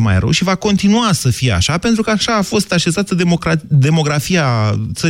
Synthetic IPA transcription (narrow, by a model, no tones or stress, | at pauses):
ma̰jɾə̰wʃivako̞nt̪inuasəfijea̰ʃape̞nt̪ɾukəaʃaːfo̞st̪aʃe̞zat̪əemokɾad̪e̞mo̞ɡɾafijat̪sə